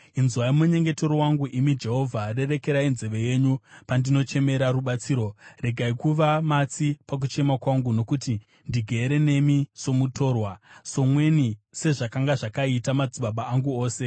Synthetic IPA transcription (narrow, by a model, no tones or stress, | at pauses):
inzwaimuɲe̞ŋɡe̞toɾowaŋɡuʔimid͡ʒe̞ɦo̞vʱare̞re̞ke̞ɾainze̞ʋe̞je̞ɲupandino̞t͡ʃe̞me̞ɾaruɓat͡siːɾo̞re̞ɡʱaikuʋamat͡sipak̬ut͡ʃe̞makwaŋɡuno̞kuti | ndiɡʱeːɾe̞ne̞miso̞muto̞ːrwaso̞mwe̞nise̞ʐakaŋɡaʐakaitamad͡ziɓaɓaːŋɡuo̞ːse̞